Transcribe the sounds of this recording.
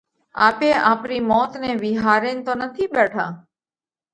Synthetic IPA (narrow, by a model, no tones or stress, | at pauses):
a̰peʔaːpɾimɔːt̪neʋiɦaːɾent̪onət̪ʰibɛʈʰaː